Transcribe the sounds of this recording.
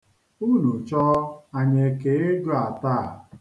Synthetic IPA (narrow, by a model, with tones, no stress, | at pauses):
u˦nu˨t͡ʃɔ˦a˨ɲe˨ke˨˦e˦d͡ʒʊ˦a˨ta˦˨